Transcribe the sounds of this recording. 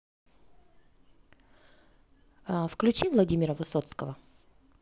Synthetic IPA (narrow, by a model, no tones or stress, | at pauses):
fklʲʉt͡ɕivlˠɐdʲimʲɪɾəvɨsot̪skəvə